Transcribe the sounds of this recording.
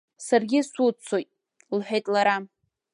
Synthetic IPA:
sarɡʲɪsut͡sʰojtʼ | lħᶣejtʼlaɾa

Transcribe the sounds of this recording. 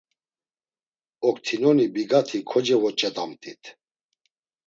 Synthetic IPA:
ɔkt̪ʰinɔnibiɡat̪ʰikʰɔd͡ʒɛvɔt͡ʃʼɛd̪amt̪ʼit̪ʰ

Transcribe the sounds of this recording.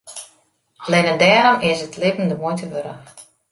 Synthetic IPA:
ɑlɛnədɛːɾɔmɪsətlɪvən̩dəmojtʰəʋøɾə̰x

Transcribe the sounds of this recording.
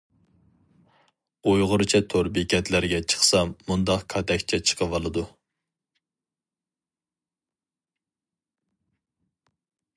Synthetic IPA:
ojʁʊɾt͡ʃʰɛt̪ʰoɾbekʲɛt̪læɾɡʲɛt͡ʃʰə̥χsɑmːund̪ɑqkʰɑt̪ɛkʲt͡ʃʰɛt͡ʃʰə̥qʰəvɑlˠɨd̪u

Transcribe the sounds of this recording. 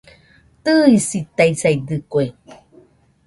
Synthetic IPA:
t̪ɨisit̪aisajd̪ɨkwe

